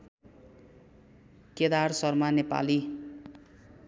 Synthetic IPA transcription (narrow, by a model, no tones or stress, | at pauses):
ked̪arsʌrmanepa̰li